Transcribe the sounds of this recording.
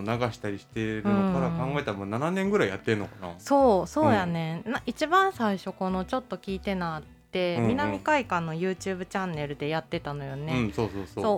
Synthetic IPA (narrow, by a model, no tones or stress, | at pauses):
naɡaɕi̥t̪aɾʲiɕi̥t̪eɾɯñ̟okaɾakãŋɡae̞t̪aɾamoːnananẽ̞ŋɡɯ̟ɾaija̰t̪ːeɯnːokana̰so̞ːso̞ːjane̞nãʔit͡ɕibãɰ̃saiɕo̞ko̞no̞t͡ɕo̞t̪ːo̞kʲiːt̪e̞naːt̪ːẽ̞mʲinamʲikaikãnːo̞jɯ̟ːt͡ɕɨːbɯ̟t͡ɕãnːe̞ɾɯ̟d̪e̞jat̪ːe̞t̪ano̞jo̞ne̞ɯ̃so̞ːso̞ːsoːsoː